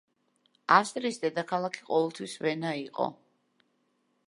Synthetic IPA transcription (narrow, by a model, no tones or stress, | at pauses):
afst̪ʼɾiːsd̪ɛd̪akʰalˠakʰi̥qʼɔvɛlˠt̪ʰwisvɛnaiqʼɔ̰